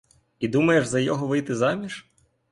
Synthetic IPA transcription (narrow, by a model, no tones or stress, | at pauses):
id̪umɐjeʒzɐjɔɦɔʋɪjt̪ɪzɑmʲiʃ